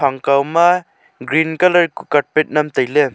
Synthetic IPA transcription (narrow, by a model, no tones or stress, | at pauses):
aŋkawma | ɡɾinkɐlɐɾkukat̚pet̚nɐmtajle